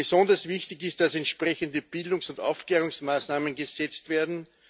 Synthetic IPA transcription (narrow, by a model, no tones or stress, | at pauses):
əsɔndɐsvɪçtɪçɪst̚d̥asɛntʃpʁɛçəndəb̥ɪldʊŋsʊnda̰ʊfkleːʁʊŋsmaːsnaːmənɡəzɛt͡stv̥eːɐdn̩